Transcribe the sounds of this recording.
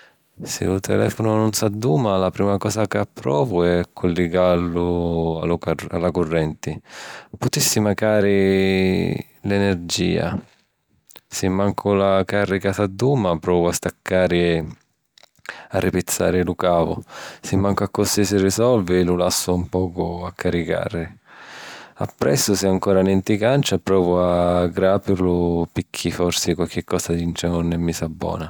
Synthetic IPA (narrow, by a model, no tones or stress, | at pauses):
sɪ̰lʊt̪ʰɛ̰lɛ̰ːfʊnʊnʊnsad̪ːuːmalapɾiːmakɔːsakapːɾɔːvʊɛkʰːulːɪɡalːʊa̰laalːakʊrːɛnt̪ɪpʊt̪isːimakaːɾɪ | lɛnɛrd͡ʒḭːa̰ | sɪmːaŋkʰʊlakarːikasad̪ːuːmapɾɔːvʊast̪akʰːaːɾɪɛ | arːipɪt̪sːa̰ːɾɪlʊkaːvʊ̰sɪmːaŋkakːʊst̪isɪrisɔlvɪlʊlasːʊumpɔːkʊakːaɾika̰ːrɪ | a̰pːɾɛ̰sːʊsɪaŋkɔːɾanɛnt̪ikant͡ʃapɾɔːvʊaɡɾaːpɪɾlʊpɪkʰːifɔrsɪkwalk̟ɪkːɔːsad̪int͡ʃɛnʊnːɛmːisabːɔ̰ːna